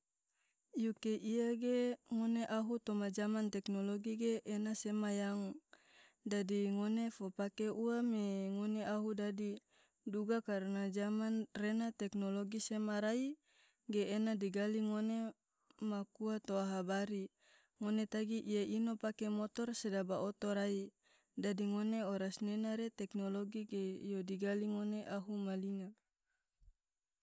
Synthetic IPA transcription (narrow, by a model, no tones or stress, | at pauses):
jukeʔijaɡeŋoneʔaɦut̪omad͡ʒamant̪ɛknoloɡiɡeʔːnasemajaŋ | dadiŋonefopakeʔuameŋoneaɦudadi | duɡakaɾnad͡ʒamanrenat̪ɛknoloɡisemaɾai | ɡeːnadiɡaliŋone | makuat̪oaɦabaɾi | ŋonet̪aɡiʔijaʔinopakemɔt̪ɔrsedabaot̪oɾai | dadiŋoneoɾasnenaɾet̪ɛknoloɡiɡejodiɡaliŋoneʔaɦumalina